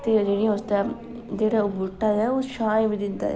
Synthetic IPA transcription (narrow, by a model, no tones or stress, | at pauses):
t̪ed͡ʒeːɽijãost̪ɛ | d͡ʒeːɽabʊʈːaːd͡ʒɛoːʃaːjbiːd̪ɪnd̪a̰ː